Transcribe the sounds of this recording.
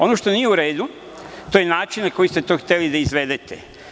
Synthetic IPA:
o̞noʃt̪o̞nije̞uɾe̞ːd̪u | t̪o̞jenaːt͡ʃinnako̞jist̪e̞t̪o̞xt̪e̞lid̪aizʋed̪et̪ʰḛ

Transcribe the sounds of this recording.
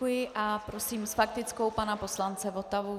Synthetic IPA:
ujɪʔapɾo̞siːmsfak̚t̪ɪt͡sko̞wpanapo̞slant͡sɛvo̞t̪avu

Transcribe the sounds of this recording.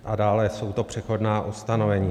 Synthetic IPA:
ʔadaːlɛso̞wt̪o̞pr̝̥ɛxo̞dnaːʔust̪ano̞vɛɲiː

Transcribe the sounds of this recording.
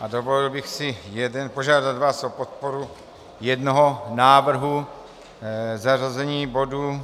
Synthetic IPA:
ʔadovolɪlbɪxsɪjɛdɛnpo̞ʒaːdad̪vaːsopot̪̚poɾu | jɛdnoɦonaːvr̩ɦu | zarazɛɲiːbo̞duː

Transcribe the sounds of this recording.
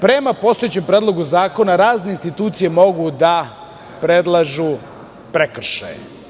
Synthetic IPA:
pɾe̞mapo̞st̪o̞jet͡ɕempɾeːd̪lˠo̞ɡuzaːko̞naɾaːzne̞inst̪it̪uːt̪sije̞mo̞ɡud̪a | pɾed̪lˠaʒu | pɾekr̩ʃa̰jḛ

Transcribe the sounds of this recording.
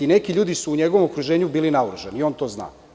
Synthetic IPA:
ine̞kiʎuːd̪isuːɲeɡoʋomokɾuʒeːɲubiːlinauɾuʒenio̞ːnt̪oːzna̰ː

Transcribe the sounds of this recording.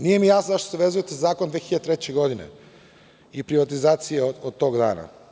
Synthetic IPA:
nijemijaːsnozaʃt̪o̥seʋe̞zuje̞t̪ezazaːkond̪ʋeːxiʎad̪et̪ɾet͡ɕeɡo̞d̪inḛ | ipɾiʋat̪izaːt̪sijeod̪̚t̪o̞ːɡd̪a̰ːna̰

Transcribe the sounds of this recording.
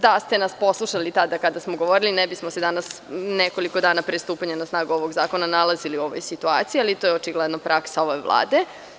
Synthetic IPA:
d̪ast̪enaspo̞slˠuʃalit̪ad̪akad̪asmoɡoʋo̞ɾilinɛbismose̞d̪anasneko̞likod̪aːnapɾest̪uːpaɲanasnaːɡuo̞ʋoɡzaːko̞nanalaziliuo̞ʋo̰jsit̪ua̰ːt̪sijalit̪oːjeot͡ʃiɡled̪nopɾaksaoʋoeʋlˠa̰ːd̪e̞

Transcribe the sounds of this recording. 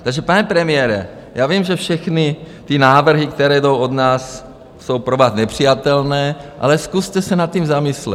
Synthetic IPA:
t̪aɡʒɛpanɛpɾɛmɪjɛːɾɛ̰ | jaːvimʒɛfʃɛxnɪ | t̪ɪnaːvr̩ɦɪk̚t̪ɛɾɛːdowʔod̪naːsː | o̞wpɾovaːt̪nɛpr̝̥ijat̪ɛlnɛːʔa̰lɛskust̪ɛsɛnat̪̚cimzamɪslɛ̰

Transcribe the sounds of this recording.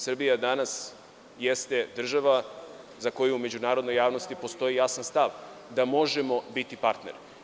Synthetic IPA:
sr̩bijad̪anas | jest̪e̞d̪r̩ʒaʋa | zako̞juumed͡ʑunaːɾod̪no̞jaːʋno̞st̪ipo̞st̪o̞jijasanst̪aʋ | d̪amo̞ʒemo̞bit̪ipaɾt̪ne̞̰ɾ

